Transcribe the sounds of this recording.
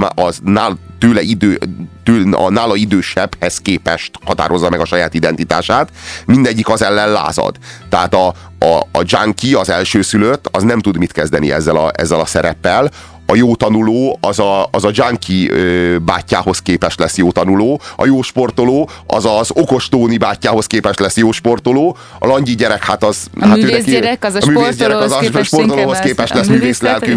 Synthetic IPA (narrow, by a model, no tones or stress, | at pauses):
ɒnaːt̪øːlɛid̪øːt̪øːɒ̰naːlɒid̪øːʃɛbhɛskeːpɛʃt̪hɒt̪a̰ːɾo̞zːɒmɛɡɒʃɒjaːt̪id̪ɛnt̪it̪a̰ːʃaːt̪mind̪ɛɟːikɒzɛlːɛnla̰ːzɒ̰d̪̥t̪ɛaːt̪ɒ | ɒːd͡ʒaŋkiɒzɛlʃøːsyløt̪ːɒznɛmt̪ud̪mit̪kɛzd̪ɛnḭɛ̰zːɛlɒ̰ɛ̰zːɛlɒsɛɾɛpːɛl | ɒjoːt̪ɒnuloːɒzɒɒzɒd͡ʒaŋkʰiøba̰ːcːa̰ːho̞skeːpɛʃt̪lɛsjoːt̪ɒnuloːɒ̰joːʃpo̞rt̪o̞loːɒ̰zɒzo̞ko̞ʃt̪oːnibaːcːaːho̞skeːpɛʃt̪lɛsjoːʃpo̞rt̪oloː | ɒ̰lɒɲɟiɟɛɾɛkhat̪ɒzhat̪ːøːnɛmyːveːszɟɛɾɛkɒzʃport̪oloːɦoskeːpɛʃt̪lɛsmyːveːslɛlky